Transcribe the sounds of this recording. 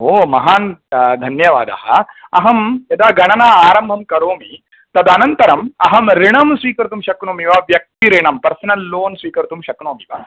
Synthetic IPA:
ɦoːmɐɦaːnd̪ʱɐnjɐʋa̰ːd̪ɐ̰ɦɐ̰ɐɦɐmɐd̪aːɡɐɳɐnaːaːɾɐmbʱɐmkɐɾoːmi | t̪ɐd̪ɐnɐnt̪ɐɾɐmɐɦɐmɾiɳɐmsʋiːkɐɾt̪umʃɐkɳoːmiʋaːʋjɐk̚t̪iɾiɳɐmpɐɾsnɐlːoːnsʋiːkɐɾt̪umʃɐkɳoːmiʋa̰

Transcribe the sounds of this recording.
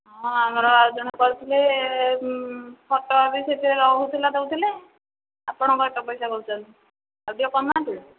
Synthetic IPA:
ɦɔ̃amɔɾɔaɾɔd͡ʒɔñakɔɾut̪ʰile | pʰɔʈɔabiset̪iɾeɾɔɦut̪ʰilad̪eut̪ile | a̰pɔɽ̃ɔkɔɛʈɔpɔjsakɔɾut͡ʃɔnt̪i | awɖiɔkɔmat̪ʰile

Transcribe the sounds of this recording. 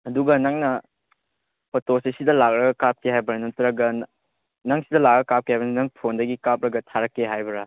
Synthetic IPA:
ɐduɡɐnɐŋnɐ | pɐtosesidɐlak̚ɾɐɡɐkap̚kʰiɦajbɐɾɐnɐtɾɐɡɐ | nɐŋsidɐlak̚ɐɐkap̚kʰihajbɐnɐnɐŋpʰondɐɡikap̚ɾɐɡɐtʰaɾɐkːeɦajbɐɾɐ

